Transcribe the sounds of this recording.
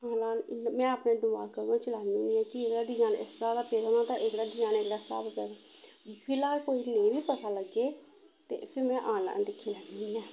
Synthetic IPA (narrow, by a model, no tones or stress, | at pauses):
ãːlaːnmɛ̃ːaːpneːd̪ʊaːkəɾʋãːt͡ʃəlaːniuːniːɛ̃ːkɪekɽaːɖɪd͡ʒaːnɪ̰saːd̪aːpeːd̪aːnãːt̪ãːʔɪkɽaːɖɪd͡ʒaːneːkɽaːsa̰ːbpɛːd̪aː | pʰɪlaːkoːiːnẽːbiːpət̪aːləɡeː | t̪ḛːpʰɪɾmɛ̃ːʔãːnla̰ːnd̪ɪkʰːiːlɛːnnːɛ̃ː